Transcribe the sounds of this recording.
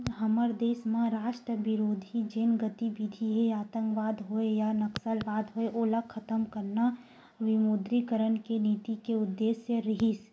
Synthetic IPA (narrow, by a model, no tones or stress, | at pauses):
ɦɐməɾd̪eːsmãɾaːʃʈɾəbɪɾoːd̪ʱid͡ʒeːnɡət̪iʋɪd̪ʱiɦeaːt̪ə̃ŋkʋaːd̪ɦoejanɐksəlbaːd̪ɦoeʔoːlakʰət̪əmkəɾna | ʋɪmuːd̪ɾikəɾənkeniːt̪ikeʊd̪ːeːsjəɾəɦis